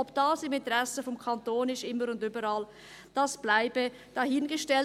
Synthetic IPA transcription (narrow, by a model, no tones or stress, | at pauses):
ɔbd̥ɑːsɪmɪntəɾɛsəfɔmkʰɑntoːnɪstɪmːəɾʊndybəɾɑl | d̥ɑsb̥laɪbə | d̥ɑhɪnɡəʃtɛl